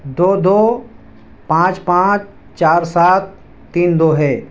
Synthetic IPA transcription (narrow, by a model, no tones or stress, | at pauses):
d̪oːd̪oː | pãːt͡ʃpãːt͡ʃ | t͡ʃaːɾsaːt̪̚ː | iːnd̪oːɦɛː